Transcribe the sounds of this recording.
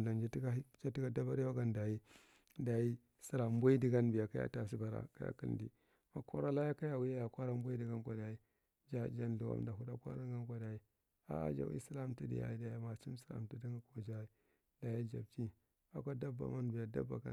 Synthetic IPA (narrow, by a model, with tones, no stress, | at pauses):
da˨nd͡ʒa˦ti˦ɡa˦i˦d͡ʒa˦ti˦ɡa˦da˦ba˦ɾi˦ja˦ɡa˦nda˨ji˦ | da˨ji˦ | si˦ɾa˨m˦ba˦i˦di˨ɡa˦nbi˨ja˨ka˦a̰˦ta˨s̬i˦ba˨ɾa̰˨ka̰˦ja̰˨ki˦ldḭ˨ | ma˨kʰo˦ɾa˦la˦ja˦ka˦ja˨wi˦ja˦ja˨kʷa˦ɾa˦m˦bu˦i˦di˨ɡa˦nkʷa˨da˨i˦ | d͡ʒa˦˨d͡ʒa˦n˨u˨wa̰˨mda˨ɦu˦da˦kʷa̰˦ɾa˦ŋ˦ɡa˦nkʷa˨da˨i˦ | a̰˦a̰˦d͡ʒa̰˨wḭ˦si˦la˦mti˦dḭ˨ja̰˨i˦da˨ja˦ma˨si˦m˦si˨la̰˨mti˦di˦ŋa˦ko˨d͡ʒa˦i˦ | da˨ja˦d͡ʒa˨b̚ti˦ | a˨kʷa˦da˦ba̰˨ma˦nbi˨ja˨da̰˦bːa˨ka˨